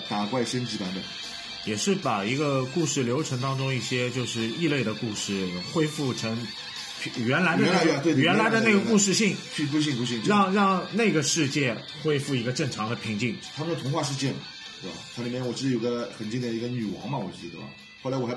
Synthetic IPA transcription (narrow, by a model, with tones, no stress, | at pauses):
t̪a˨˩kwa˥˩ɪʂə˥nt͡ɕi˧˥pa˧˥npə̰˨˩˦n | jɛ˨˩ʂɻ̩˥˩pa˨˩i˧˥ɡə˧ku˥˧ʂɻ̩˥˩ljo˧˥ʊʈ͡ʂʰɤ˧˥ŋt̪ɑ˥ŋʈ͡ʂʊ˥ŋi˥˩ɕjɛ˥t͡ɕjo˥˧ʊʂɻ̩˥˧i˥˧le˥˩ɪd̪ə˩ku˥˧ʂɻ̩˥˩xwe˥ɪfu˥˩ʈ͡ʂʰɤ˧˥ŋ | pʰɥɛ˧˥nla˧˥d̪ə˧˥˧t̪e˥˧jɛ˧˥nla˧˥ɪd̪ə˧ne˥˩ɡə˧ku˥˧ʂ̬ɻ̩˥˧ɕi˥˩ŋt͡ɕʰy˥˧pu˥˧ɕ̬i˥˧u˥ɕi˥˧ŋɻɑ˥˧ŋɻɑ˥˧ŋne˥˩ɪɡə˩ʂɻ̩˥˧t͡ɕjɛ˥˩ | xwe˥ɪfu˥˩i˧˥ɡə˧ʈ͡ʂɤ˥˩ŋʈ͡ʂʰɑ˧˥ŋd̪ə˧pʰi˧˥ŋt͡ɕi˥˩ŋt̪ʰa˥mə˨nə˩t̪ʰʊ˧˥ŋxwa˥˧ʂ̬ɻ̩˥˧t͡ɕjɛ˥˩nm˩˧˩ | t͡sʰŋli˨˩mjnwɔ˨˩ʈ͡ʂɻ̩˥d̪jo˨˩ɡə˧xə˨˩nt͡ɕi˥nt̪ɛ˨˩nə˧˥ɡə˧ny˨˩wɑ̰˧˥ŋmɐ˧wɔ˨˩t͡ɕ̩˥˩t͡ɕi˧˥d̪ə̰˩ɐ̰˨˩ | xo˥˩la˧˥ɪwɔ˨˩˧